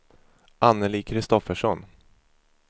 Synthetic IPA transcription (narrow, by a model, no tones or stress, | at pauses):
ʔanːəliːkʰɾɪst̪ɔfəʂɔn